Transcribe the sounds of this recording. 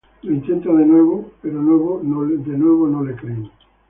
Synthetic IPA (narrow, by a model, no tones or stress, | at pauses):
leint̪ẽnt̪aðenweβopeɾonweβonod̪enweβonõlekɾe